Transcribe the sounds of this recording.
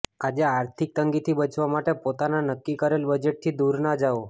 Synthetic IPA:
ad͡ʒeaɾt̪ʰik̚t̪əŋɡit̪ʰibət͡ʃʋamaʈepot̪ananəkːikəɾelbəd͡ʒeʈ̚t̪ʰid̪uɾnad͡ʒao

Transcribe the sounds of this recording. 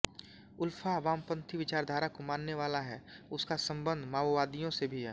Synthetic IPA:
ʊlfʰaːʋaːmpə̃nt̪ʰiʋɪt͡ʃaːɾd̪ʱaːɾakomaːnːeʋaːlaɦɛʊskasɐ̃mbə̃nd̪ʱmaːʋaːd̪ijõsebʱiɦɛ̰ː

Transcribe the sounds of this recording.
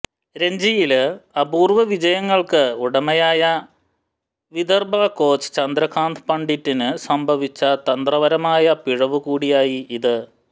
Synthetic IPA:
ɾe̞ɲd͡ʑijilɐbuːrʋɐʋid͡ʑɐjɐŋːɐɭkɨuɽɐmɐjaːjɐ | ʋid̪ɐrbaːko̞ːt͡ɕɨ̥t͡ɕɐnd̪ɾɐkʰaːnt̪ʰpɐɳɖitːinɨsɐmbʱɐʋit͡ɕːɐt̪ɐnd̪rɐʋɐɾɐmaːjɐpiɻɐʋɨkuːɽijaːjiiðɨ

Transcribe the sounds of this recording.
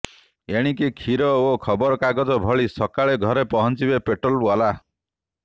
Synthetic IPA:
eɽ̃ikikʰiɾɔokʰɔbɔɾkaɡɔd͡ʒɔbʱɔɭisɔkaɭeɡʱɔɾepɔɦɔnt͡ʃibepeʈɾɔlwala

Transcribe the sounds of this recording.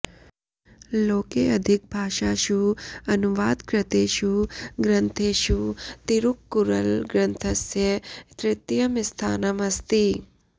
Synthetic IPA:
loːkeːɐd̪ʱik̚bʱaːʃaːʃuɐnuʋaːd̪kɾɪt̪eːʃuɡɾɐnt̪ʰeːʃut̪iɾukːuɾɐlɡɾɐnt̪ʰɐsjɐt̪ɾɪt̪jɐmist̪ʰaːnɐmɐst̪i

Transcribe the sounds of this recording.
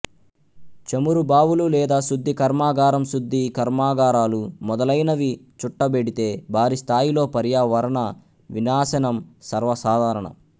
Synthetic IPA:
t͡ʃɐmuɾubaːwululɛːd̪aːsud̪ʱːikɐɾmaːɡaːɾɐmsud̪ʱːikɐɾmaːɡaːɾaːlumɔd̪ɐlɐjnɐʋit͡ʃuʈːɐbeɽit̪e̞ːbʱaːɾist̪ʰaːjilo̞ːpɐɾjaːʋɐɾɐɳɐ | ʋinaːsɐnɐmsɐɾʋɐsaːd̪ʱaːɾɐɳɐ̰

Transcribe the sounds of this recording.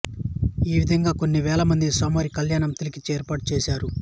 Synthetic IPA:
iːʋid̪ʱɐŋɡaːko̞nːiʋɛːlɐmɐnd̪isɔːmaːɾikɐljaːɳɐmt̪ilikit͡ʃːeːɾpaːʈut͡ʃɛːʃaːɾu

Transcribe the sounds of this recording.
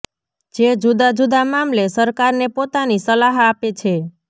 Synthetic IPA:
d͡ʒed͡ʒud̪ad͡ʒud̪amamlesəɾkaɾnepot̪anisəlaɦapet͡ʃʰe

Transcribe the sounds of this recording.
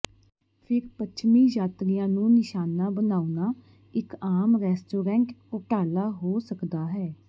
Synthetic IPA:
pʰɪɾpətːt͡ʃʰmiːjaːt̪ɾijãːnũːnɪʃaːnaːbənaːunaː | ɪkaːmɾɛːsʈoːɾɛ̃ːɳʈʊʈaːlaːɦoːsəkd̪aːɦɛː

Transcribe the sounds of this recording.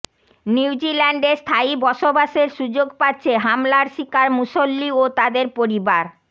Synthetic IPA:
niwd͡ʑilaɳɖeɾst̪ʰajbɔʃobaʃeɾʃud͡ʑoɡpatːɕʰeɦamlaɾʃikaɾmuʃolːiot̪ad̪eɾpoɾibaɾ

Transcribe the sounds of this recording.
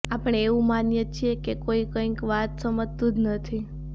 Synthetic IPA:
apəɳeeʋũmanjət͡ʃʰiekekoikə̃ĩkʋat̪səmətt̪ud̪nət̪ʰi

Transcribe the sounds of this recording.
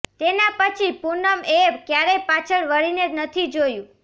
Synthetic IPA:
t̪enapət͡ʃʰipunəmeʋkjaɾepat͡ʃʰəɭʋəɭinenət̪ʰid͡ʒojũ

